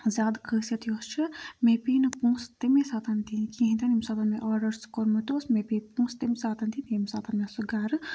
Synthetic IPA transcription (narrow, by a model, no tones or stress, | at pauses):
zʲaːd̪kʰəːsɐt̪jost͡ʃʰimepiːnɨpũːst̪imesaːt̪ɐnt̪inkĩɦĩnt̪ɐnimsaːt̪ɐnmeʔɔːɖɐɾskoɾmɨt̪oːsmepipũːst̪imsaːt̪ɐnt̪inimsaːt̪ɐnmesuɡaɾɨ